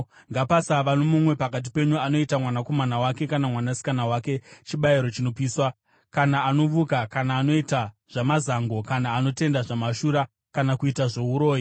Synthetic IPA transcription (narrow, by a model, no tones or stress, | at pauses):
ŋɡapasaʋanomumwe̞pakat̬ipe̞ɲuano̞itamwanako̞manawake̞kanamwanasi̥kanawake̞t͡ʃiɓaiɾo̞t͡ʃino̞piːswa | kanaːno̞ʋukakanaːno̞ita | ʐ̥amazaŋɡo̞kanaːno̞te̞ndaʐamaʃuɾa | kanakuitaʐo̞uɾo̞ːji